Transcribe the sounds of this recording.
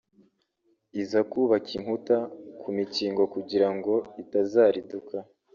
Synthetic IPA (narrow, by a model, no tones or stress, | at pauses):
izakuːβakiŋ̥hutakʰumiciːŋɡo̞kuɟiɾaŋɡo̞itazaːɾiduka